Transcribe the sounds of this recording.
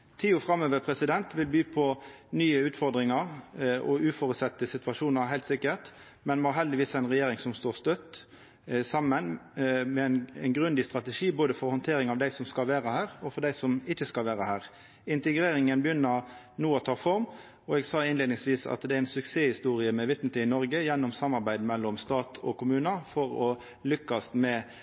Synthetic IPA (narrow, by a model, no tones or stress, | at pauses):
t̪ʰiːʊfɾɑmøːʋəpʰɾɛsɪd̪ɛnt̪ʋɪlbyːpʰɔnyːəʉːt̪fɔʁd̪ɾɪŋəʁɔ̰ʉːfɔɾʉsɛt̪ːəsɪt̪ʋɑʂuːnəɾhæɪlt̪sɪkːət̪ | mɛnmɑɦɛld̪ɪʋiːsæɪnʁɛjeːɾɪŋsɔmst̪oːst̪œt̪ː | sɑmːənmɛnɛnɡɾʉnd̪ɪst̪ɾɑt̪əʂiːboːd̪əfɔɾhɔnt̪ʰeːɾɪŋɑʋd̪æɪsɔmskɑlʋeːɾəhæːʁɔfɔɾd̪æɪsɔmɪçːəskɑlʋeːɾəhæːɾ | ɪnt̪ɛɡɾeːɾɪŋənbəjʏnːəɾ | nuːɔt̪ʰɑːfɔɾm | ɔɛɡsɑːɪnleːd̪nɪŋsʋiːsɑ̰t̪d̪ɛæɾɛɪnsʉkseːhɪst̪uːɾɪəmɛʋɪt̪n̩t̪ɪɪnɔɾɡəjɛnːɔmsɑmːɑɾbæɪd̪mɛlːɔmst̪ɑːt̪ʰɔ̰kʰʊmʉːnəfɔɾɔ | lʏkːɑst̪mɛ